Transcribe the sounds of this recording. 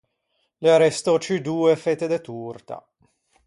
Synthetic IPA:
leaɾɛst̪ot͡ʃid̪uːefet̪ed̪et̪urt̪a̰

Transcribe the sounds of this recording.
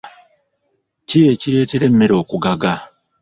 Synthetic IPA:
cije̞ciɾe̞ːte̞ɾe̞mːe̞ɾo̞ːkuɡaɡa

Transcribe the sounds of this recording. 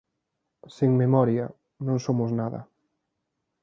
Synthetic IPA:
seŋmemɔɾjɐ | nõŋsomʊznaðɐ̰

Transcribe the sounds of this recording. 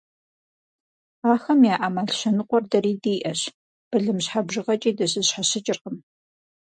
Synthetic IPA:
aːxɐmjaːʔamaːɬɕɐnɨqʷɔrdɐɾiːdiːʔɐɕ | b̥ɨɮɨmɕħabʒɪʁɐt͡ʃʼiːdɐɕɨzɕħaɕɪt͡ʃʼɪrqəm

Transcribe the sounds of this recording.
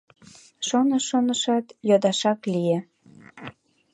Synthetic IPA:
ʃonoʃonəʃɑt̪jod̪ɑʃɑklije

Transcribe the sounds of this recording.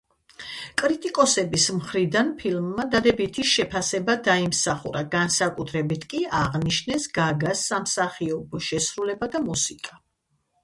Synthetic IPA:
kʼɾit̪ʼikʼɔsɛbismχɾid̪anpʰilˠmːad̪ad̪ɛbit̪ʰiʃɛpʰasɛbad̪aimsaχṵɾaɡansakʼut̪ʰɾɛbit̪ʰkʼiaʁniʃnɛsɡaɡasːamsaχiɔbɔʃɛsɾulɛbad̪amusikʼa

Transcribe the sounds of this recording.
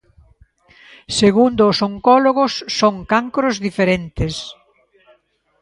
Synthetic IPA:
seɣund̪ʊːsoŋkɔloɣʊsːoŋkaŋkɾozðifeɾent̪ɪs

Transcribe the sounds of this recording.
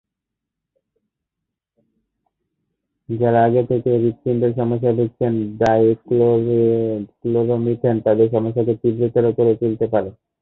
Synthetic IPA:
d͡ʑaɾaaɡet̪ʰekebikːinɖeɾʃɔmoʃ̬ːad̪ʱek̚t͡ɕʰenɖajk | klobomiʈʰent̪ad̪eɾʃɔmoʃ̬ːaket̪ibɾek̪aɾokoɾet͡ɕult̪epaɾe

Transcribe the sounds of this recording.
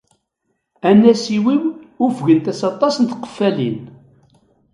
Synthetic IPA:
ænːæsiwiwʊfʝənt̪æsɑt̪ˤɑsənt̪qə̥fːælḭn

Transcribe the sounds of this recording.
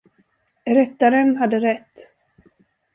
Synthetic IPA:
ɾɛt̪ːaɾənɦad̪ːəɾɛt̪ː

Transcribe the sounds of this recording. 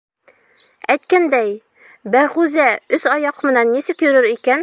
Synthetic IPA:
æjt̪kænd̪æj | bæʁʉzæɵsɒjɑqmɤ̆nænːisɘkjɵ̆ɾɵɾikæn

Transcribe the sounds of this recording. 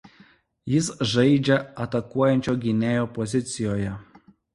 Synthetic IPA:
jɪsʒɐɪd͡ʒʲɛɐt̪ɐkuɔjɛnʲt͡ʃʲoːɡʲɪnʲeːjoːpɔzʲɪt̪sʲɪjoːjɛ

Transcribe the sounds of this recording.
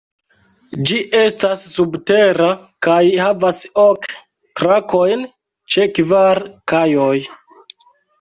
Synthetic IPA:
d͡ʒiʔe̞stasːubte̞ɾakajhavasok | tɾakʰo̞jn | t͡ʃe̞kvaɾkajoj

